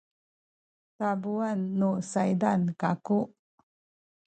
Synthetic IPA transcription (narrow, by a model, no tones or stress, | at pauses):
tabuanːusajdankaku